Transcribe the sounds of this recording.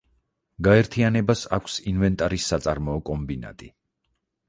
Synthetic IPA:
ɡaɛɾt̪ʰianɛbasakʷʰsinvɛnt̪ʼaɾisːat̪sʼaɾmɔɔkʼɔmbina̰t̪ʼi

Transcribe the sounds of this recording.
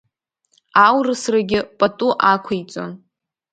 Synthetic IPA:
awrɨsraɡʲɪpʼatʼuʔakʷʰajt͡sʷʼo̰n

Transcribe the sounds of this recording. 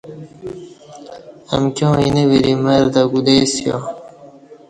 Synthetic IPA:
ɐ̰mkjõːinewiɾimɐɾd̪aɡud̪eːsjo̰

